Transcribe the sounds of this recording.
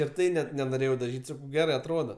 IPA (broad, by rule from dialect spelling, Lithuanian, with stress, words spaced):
ɪr ˈtɐɪ nʲɛt nʲɛnoːˈrʲeːjɛʊ dɐˈʒʲiːtʲ ˈsɑːkɐʊ ˈɡʲæːrɐɪ ɐtˈroːdoː